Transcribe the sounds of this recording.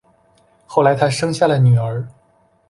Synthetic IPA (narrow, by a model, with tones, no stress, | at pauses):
xo˥˩ʊla˧˥ɪt̪ʰa˥ʂɤ˥ŋɕja˥˩lə˩ny˨˩ə˧˥